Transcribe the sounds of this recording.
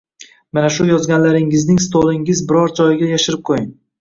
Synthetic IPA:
manaʃʊjɒzɡʲanlaɾɪŋɪznɪŋst̪olˠɪŋɪzbɪɾɒɾd͡ʒɒjɪɡʲajaʃɪɾɪp̚qʰojɪŋ

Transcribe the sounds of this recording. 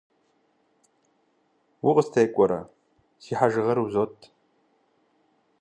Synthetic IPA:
wʊqʼəstʰejkʷʼɔɾɐ̰ | siːħaʒɨʁɐɾuzotʼʰ

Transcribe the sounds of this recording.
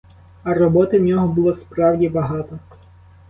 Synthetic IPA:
ɐrɔbɔt̪ɪwnʲɔɦɔbʊlˠɔspɾɑwdʲibɐɦɑt̪ɔ

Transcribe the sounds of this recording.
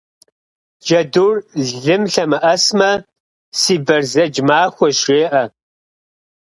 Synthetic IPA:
ʒɐdurɮɮɨmɬɐmɨʔɐsmɐ | siːbɐrzɐd͡ʒmaːxʷɔʃeːʔɐ

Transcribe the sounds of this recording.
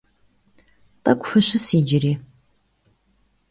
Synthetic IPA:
tʼɐkʷʼfɐɕɨsiːd͡ʒɪriː

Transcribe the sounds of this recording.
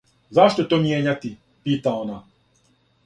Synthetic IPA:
zaʃt̪ot̪omjeɲat̪i | piːt̪aona

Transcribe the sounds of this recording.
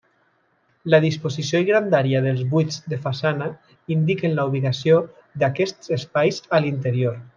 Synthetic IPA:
laðispozisioiɣɾand̪aɾjaðəlˠzβujd͡zd̪əfasana | ind̪ikənlauβ̞iɣasio | d̪akɛst̪z̥espajzalint̪əɾioɾ

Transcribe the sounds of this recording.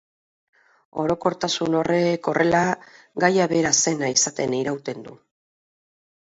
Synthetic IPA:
o̞ɾo̞ko̞ɾt̪asuno̞re̞ko̞rʔe̞la | ɡajaβe̞ɾase̞naisat̪e̞niɾawt̪e̞nd̪u

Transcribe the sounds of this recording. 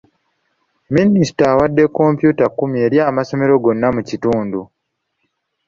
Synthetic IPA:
minisi̥taːwadːe̞kːo̞mpjuːtakːumje̞ːɾjaːmaso̞me̞ɾo̞ɡo̞nːamucituːndu

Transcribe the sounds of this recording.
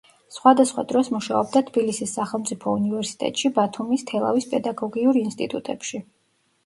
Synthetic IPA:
sχwad̪asχwa̰d̪ɾɔsmuʃaɔb̚d̪at̪ʰb̥ilisisːaχɛlˠmt̪sʼipʰɔunivɛɾsi̥t̪ʼɛ̰t̪ʼʃibat̪ʰumist̪ʰɛlˠa̰vispʼɛd̪aɡɔɡiuɾinst̪ʼḭt̪ʼut̪ʼɛpʃi

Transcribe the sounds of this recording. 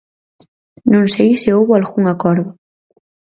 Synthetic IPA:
nũŋsejseowβalɣuŋakɔɾðʊ

